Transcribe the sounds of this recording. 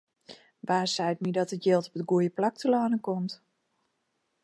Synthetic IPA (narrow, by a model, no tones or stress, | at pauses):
ʋaːsɛjtmidɔtətjɪːlˠtɔpədɡuəjəplak̚təlaːnəkɔmt